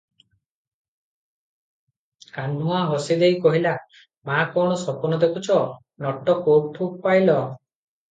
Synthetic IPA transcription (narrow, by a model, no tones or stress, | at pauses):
kanũaɦɔsid̪ejkɔɦila | makɔɽ̃ɔsɔpɔnɔd̪ekʰut͡ʃʰɔ | nɔʈɔkop̚ʈʰub̚pajlɔ